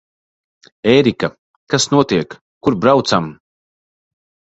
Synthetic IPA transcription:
ɛːɾika | kasnuɔt̪iɛkː | uɾbɾawt̪sam

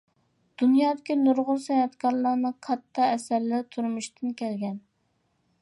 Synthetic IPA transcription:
d̪̥unjɑːd̪ɪkʲinuɾʁʊlˠsɛnɛt̪kʰɑɾlˠɑnɨqʰɑt̪ʰːɑɛsæɾlɪt̪ʰuɾmuʃt̪ʰɨnkʲʰɛlɡʲɛn

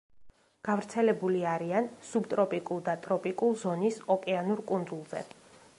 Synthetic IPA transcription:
ɡ̥avɾt̪sʰɛlɛbuliaɾiansubt̪ʼɾɔpʼikʼulˠd̪at̪ʼɾɔpʼikʼulˠzɔnisɔkʼɛanuɾkʼund̪zulˠzɛ̰

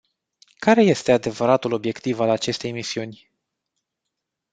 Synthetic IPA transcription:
kaɾe̞je̞st̪e̞ad̪e̞vəɾat̪ulo̞bje̞kt̪ivalat͡ʃe̞st̪e̞jmisiunʲ

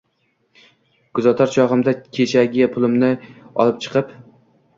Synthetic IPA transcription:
ɡ̥ʊzat̪ʰaɾt͡ʃʰɒʁɨmd̪akʲʰe̞t͡ʃʰaɡʲɪpʰʊlˠɪmnɪɒ̰lˠɪp̚t͡ʃʰɨ̥qʰɨp

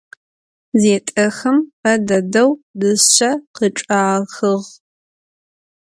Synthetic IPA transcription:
zeːtʼɐxɐmpɐdɐdɐwdɨɕɐqəʈ͡ʂʼaːxəʁ

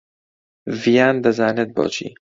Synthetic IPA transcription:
vijaːnd̪ɐzaːned̪̚bɒ̰ːt͡ʃʰḭː

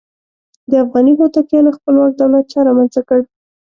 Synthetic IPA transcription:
d̪əafɣɑniɦot̪akjɑnoxpəlwak̚d̪awlat̪̚t͡ʃɑɾɑmanzakəɽ

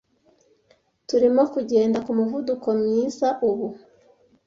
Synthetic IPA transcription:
tuɾimo̞kuɟe̞ːndakumuvuduko̞mɲiːzaʔuβu

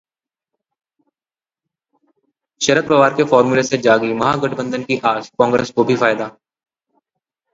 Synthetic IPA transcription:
ʃɐɾət̪̚pɐʋaːɾkefɔːɾmuːlesed͡ʒaːɡimɐɦaɡɐʈbə̃nd̪ənkiʔaːd͡ʒkɔ̃ːŋɡɾeːskobʱifaːɪd̪aː

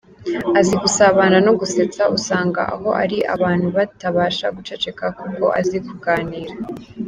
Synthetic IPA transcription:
azikusaβaːnanoɡuse̞t͡sausaːŋɡa̰ʔa̰ɦo̞ʔa̰ɾiʔa̰βaːn̥huβataβaːʃaɡut͡ʃe̞t͡ʃe̞kakuko̞̰ʔa̰zikuɡaːniːɾa

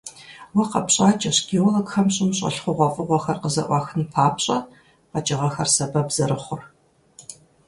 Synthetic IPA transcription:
wɐqɐpɕʼaːt͡ʃʼɐɕɡʲiwlɐkxɐmɕʼɪmɕʼɐ̰ɬχʷʊʁʷɔfʼɨʁʷɔxɐrqəzɐ̰ʔʷɑxɨnpʰaːpɕʼɐ | qɐt͡ʃʼɪʁɐxɐrsɐbɐbz̥ɐɾɨχʷʊr

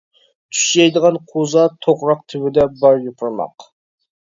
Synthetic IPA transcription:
t̪ʰy̥ʃɛjd̪əʁɑnqʰozɑt̪ʰoqɾɑq̚t̪ʰɪwɪd̪ɛbɑɾjupʰʊɾmɑ̰q

